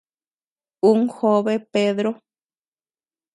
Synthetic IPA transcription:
uŋhoβepeðɾo

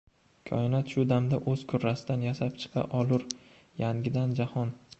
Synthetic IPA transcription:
kʲʰɒ̰ɪnat̪ʃʊd̪amd̪aʔɵz̥kʲʰʊɾːasɪd̪anjasap̚t͡ʃʰɨ̥qʰɑ̰ʔɒlˠʊɾ | jaŋɡʲɪd̪and͡ʒahɒn

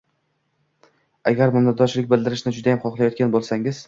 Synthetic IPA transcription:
aɡʲaɾmʊmd̪aɒʃlɪk̚ʲbɪld̪ɪɾɪʃnɪd͡ʒʊd̪ajamχɒχlˠajɒt̪̚kʲanbolˠsaŋɪz̥

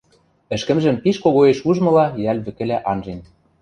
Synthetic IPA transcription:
ɘ̆ʃkɘ̆mʒɘ̆mpiʃkoɣoeʃuʒmɤ̆lɑjælʲβɘ̆kɘ̆læʔɑnʒen

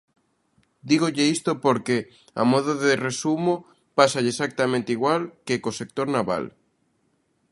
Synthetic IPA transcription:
d̪iɣoʎeist̪opoɾke | a̰moðoðeresumo | pasaʎesak̚t̪amẽnt̪iɣwalkeːkosek̚t̪oɾnaβa̰l

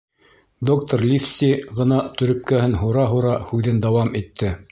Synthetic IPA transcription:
d̪o̞k̚t̪oɾlʲifsiʁɤ̆nɑt̪ɵ̆ɾɵ̆p̚kæhɘnɦuɾɑɦuɾɑhʉðɘnd̪ɑwɑmit̪ʰːɘ

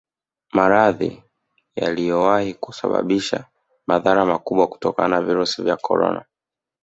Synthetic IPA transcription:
maɾaðḭ | jalijɔwahikusaɓa̰ɓiʃa | maðaɾamakuɓwaku̥tɔka̰nanaviɾusivjakɔɾɔ̰na̰

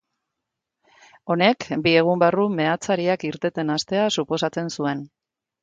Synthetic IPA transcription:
o̞ne̞kbie̞ɣ̞umbarume̞at͡saɾiakiɾt̪e̞t̪e̞nast̪e̞asupo̞sat͡se̞nsue̞n

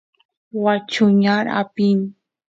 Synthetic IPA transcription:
wat͡ʃʊɲaɾa̰pin

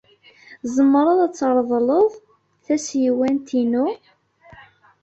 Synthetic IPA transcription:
zəmːɾˤɑðˤæt͡sːəɾˤðˤləðˤ | θæsjiwænt̪inu

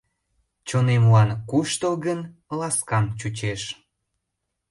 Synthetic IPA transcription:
t͡ɕonemuɑnkuʃt̪oɣənlɑskɑmt͡ɕut͡ɕeʃ

